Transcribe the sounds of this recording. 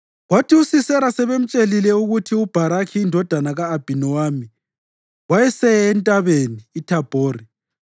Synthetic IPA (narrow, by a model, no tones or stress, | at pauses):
ɣwatʰiusisɛɾasɛβem̩t͡ʃʼelilɛuɣutʰiub̥ʱaɾakʰiːndʱɔd̥ʱanaɣaːb̥ʱinɔwami | wajɛsɛjɛːntʼaβeniːtʰab̥ʱoːɾi